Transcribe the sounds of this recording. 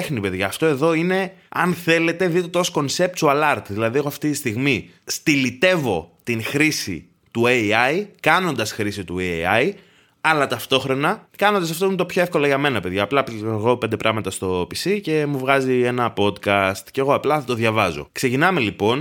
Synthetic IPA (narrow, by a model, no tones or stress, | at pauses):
exnipe̞ðʝɐːft̪o̞e̞ðo̞ine̞ɐnθe̞le̞t̪e̞ðik̪ot̪osko̞nse̞p̚t̪soɐlɐɾt̪ðilɐðiɣoɐft̪it̪ist̪iɣmi | st̪ilit̪e̞vo̞t̪inxɾisḭ | t̪ueɐjkɐno̞nd̪ɐsxɾisit̪ueɐj | ɐlɐt̪ɐft̪o̞xɾo̞nɐkɐnond̪ɐsɐft̪omt̪opço̞efko̞lɐʝɐme̞nɐpe̞ðʝɐːplɐɣo̞pend̪e̞pɾɐɣmɐt̪ɐst̪o̞pisice̞muvɣɐzie̞nɐpo̞t̪kɐst̪ce̞ɣo̞ɐplɐθɐt̪o̞ðʝɐvɐzo̞̰kse̞cinɐme̞lipo̞n